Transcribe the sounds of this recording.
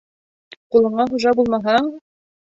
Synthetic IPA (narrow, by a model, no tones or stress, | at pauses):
qulˠɤ̆ɴɑχuʒɑbulˠmɑɦɑɴ